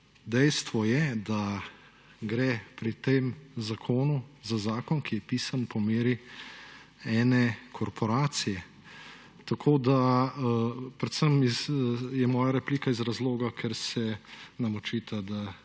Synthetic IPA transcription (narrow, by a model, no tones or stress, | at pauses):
d̪ɛjst̪ʋɔjɛd̪a | ɡɾɛːpɾit̪eːmzakʰoːnuzazaːkɔnkʰijɛpiːsanpɔmeːɾi | ɛːnɛkʰɔɾpɔɾaːt̪sijɛ | t̪akʰoːd̪a | pɾɛt̪səmizjɛmɔːjaɾɛpliːkaizɾazloːɡakʰɛɾsɛnɐmot͡ʃiːt̪ʰad̪a